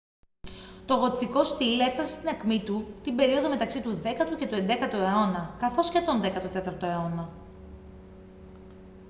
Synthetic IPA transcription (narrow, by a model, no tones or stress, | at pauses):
t̪o̞ɣo̞t̪θiko̞st̪ileft̪ɐse̞st̪inɐkmit̪ut̪imbe̞ɾio̞ðo̞me̞t̪ɐksit̪uðe̞kɐt̪uce̞t̪ue̞nd̪e̞kɐt̪oe̞o̞nɐkɐθo̞sce̞t̪o̞nðe̞kɐt̪ot̪e̞t̪ɐɾt̪o̞e̞o̞nɐ